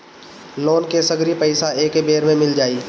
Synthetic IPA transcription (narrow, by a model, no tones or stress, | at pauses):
loːnkesəɡɾipəɪsaeːkbeːɾmẽmɪld͡ʒaːiː